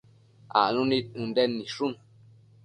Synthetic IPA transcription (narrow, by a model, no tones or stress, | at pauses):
a̰nũnĩũndɛnĩʂun